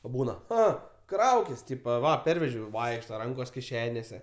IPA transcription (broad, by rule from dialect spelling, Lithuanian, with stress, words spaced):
oː ˈbuːnɐ ˈɐ ˈkrɐʊkʲɪs ˈtʲiːpɐ ˈʋɐ ˈpʲɛrʲʋʲɛʒʲɛʊ ˈʋɐɪkʃtɐ ˈrɐŋkoːs kʲɪˈʃʲæːnʲeːsʲɛ